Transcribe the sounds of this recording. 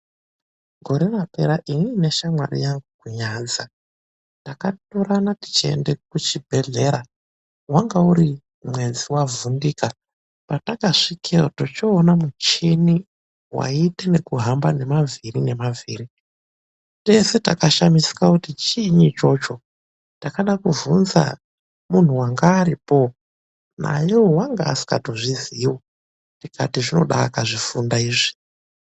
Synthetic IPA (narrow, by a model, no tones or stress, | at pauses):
ɡʱo̞ɾe̞rape̞ɾaʔiniːne̞ʃamwa̰rḭjaŋɡukuɲaːd͡za | takatoɾanati̥t͡ʃiḛnde̞kut͡ʃibʱe̞ɮe̞ɾa | waŋɡauɾi | mwe̞d͡ziwavundiːka | patakaʂikʰeotot͡ʃoːnamut͡ʃini | wʔa̰itene̞kuɦambane̞mavirine̞maviːri | te̞se̞takaʃamisi̥kakutit͡ʃiɲit͡ʃo̞t͡ʃo̞ | takaɗakuvunza̰ | mun̤uwaŋɡaːɾipo̞ | na̰jowowaŋɡaːsi̥ka̰toʐiziːwo | tikatiʐino̞̰ɗakaʐifundaiːʐi